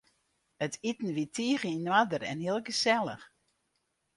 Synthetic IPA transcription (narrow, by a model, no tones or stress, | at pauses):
ətʰitn̩ʋitʰiəɣəinwadərɛ̰nhiəlˠɡəsɛlˠə̰x